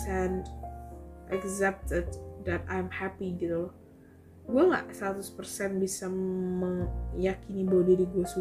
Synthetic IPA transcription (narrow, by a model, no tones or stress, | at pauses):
ɛnt | ʔɛkzɛp̚t̪əddatajmhapiɡit̪ul | ɡuaŋa̰ʔsəɾat̪ʊspərsɛnbisaməŋjakinibodidiɡuasu